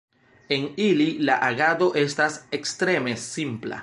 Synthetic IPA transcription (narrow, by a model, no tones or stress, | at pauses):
e̞nililaʔaɡado̞ʔe̞stase̞kstɾe̞me̞simpla̰